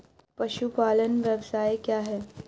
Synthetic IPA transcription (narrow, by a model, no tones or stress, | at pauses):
pɐʃupaːlənʋjɐʋsaːjekjaːɦɛː